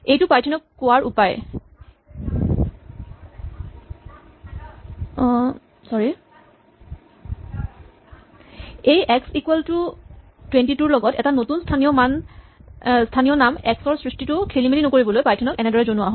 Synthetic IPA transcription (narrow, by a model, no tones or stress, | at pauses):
ejtʊpajtʰinɔkːʊwaɹupaj | ɔ | sɔɹi | ejɛksikwɛltʊ | twentituɹlɔɡɔtɛ̰tanotunstʰanijɔman | stʰanijɔnamɛksɔɹsɹistitʊkʰelimilinɔkoɹibɔlojpajtʰɔnɔkɛnɛdɔɹɛzonuwaɦɔ